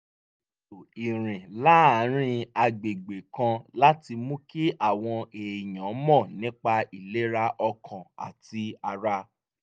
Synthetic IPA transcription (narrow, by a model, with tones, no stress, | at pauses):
to˨i˨ɾ̃ĩ˨la˦a˨˦ɾ̃ĩ˧a˧ɡ͡be˨ɡ͡be˨kã˧la˦ti˧mũ˦ki˦ʔa˦˨w̃ɔ̃˧e˨jɔ̃˨˦mɔ̃˦˨nĩ˨˦k͡pa˧i˨le˨˦ɾa˧ʔɔ˧kʰã˨a̰˨ti˧˦a˧ɾa˧